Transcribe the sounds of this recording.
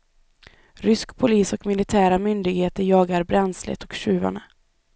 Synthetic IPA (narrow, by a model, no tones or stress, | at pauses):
ɾʏskpʰʊliːsɔkmɪlɪt̪ʰæːɾamʏnd̪ɪɡheːt̪əɾjɑːɡaɾbɾɛnslə̰t̪ɔkɕʉ̟ːva̰ɳə